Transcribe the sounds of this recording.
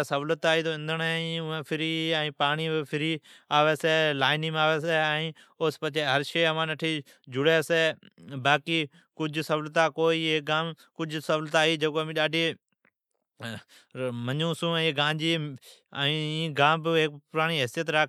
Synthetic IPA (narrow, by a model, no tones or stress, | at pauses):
səʋlət̪aːiːt̪oːɪ̃nd̪əɳẽʊẽːpʰɪɾiːɛ̃ĩːpaːɳiːbɪpʰɪɾiːaːʋeːseːlaːɪniːmaːʋeːseːĩː | oːspət͡ʃʰeːɦəɾʃeːəmãːnəʈʰiː | d͡ʒʊɽeːseː | baːkiː | kʊd͡ʒʱsəʋlt̪aːkoːiːeɡaːmkʊd͡ʒʱsəʋlt̪aːiːd͡ʒəkoːmĩːɗaːɖʱiː | məɲũːsũːɡãːɲd͡ʒiː | iːĩːɡaːmbɪek̚pʊɾaːñiːɦɪsijət̪ɾa